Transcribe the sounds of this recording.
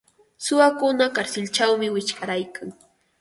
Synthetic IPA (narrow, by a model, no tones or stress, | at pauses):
sʊwakʊnakaɾsɪlt͡ʃawmɪwɪt͡ʃkaɾajkʰaŋ